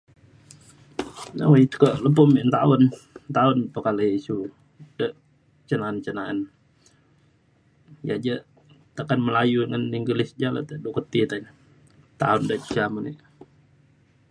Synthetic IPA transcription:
nə̰wait̪u̥kəʔləp̬ʊmiʔnt̪aʊnnt̪aʊnpəkaləisu | d̥əʔ | t͡ʃənaənt͡ʃənaan | ja̰d͡ʒə | t̪akanməlajudəŋaniŋɡəlɪsd͡ʒala̰t̪ədukət̪it̪an | t̪a̰ʊndəʔt͡ʃt͡ʃamənḭʔ

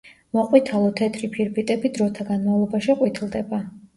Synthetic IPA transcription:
mɔqʼwit̪ʰalˠɔt̪ʰɛt̪ʰɾipʰiɾbit̪ʼɛbid̪ɾɔt̪ʰaɡanmavlˠɔbaʃiqʼwit̪ʰilˠd̪ɛba

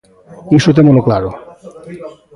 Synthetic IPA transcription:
iʃot̪̬emɔloklaɾo

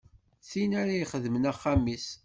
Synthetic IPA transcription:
θinaɾajχəðmənæχːamis

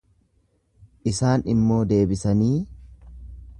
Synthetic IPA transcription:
ʔɪsaːnɪmːo̞ːd̪e̞ːbɪsɐniː

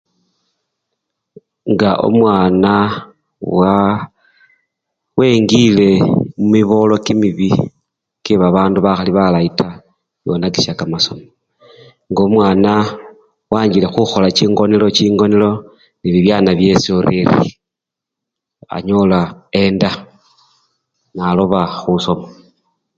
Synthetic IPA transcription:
ŋɡaʔo̰mwaːna | wa | we̞ŋɡile̞mumiβo̞lo̞kimiβi | kiβaβaːnduβaxaliβalaita | βjo̞̰naki̥ʃakamaso̞mo | ŋɡomwaːna | waːɲd͡ʒile̞xuxo̞lat͡ʃiːŋɡo̞nelo̞t͡ʃiːŋɡo̞nelo̞ | niβiβjaːnaβje̞sioɾeɾḭ | a̰ɲo̞laenda | naloβaxuso̞ma

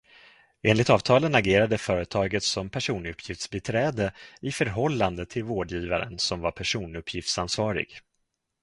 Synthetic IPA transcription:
eːnlɪt̪ɑːvt̪ʰɑːlənaɡeːɾad̪əfœːɾət̪ʰɑːɡət̪sɔmpʰæʂuːnɵpʰːjɪft̪sbɪt̪ʰɾɛːd̪əɪfœɾɦɔlːand̪ət̪ʰɪlvoːɖjiːvaɾə̰nsɔmvaɾpʰæʂuːnɵpʰːjɪft̪sansvɑːɾɪ̰ɡ̥

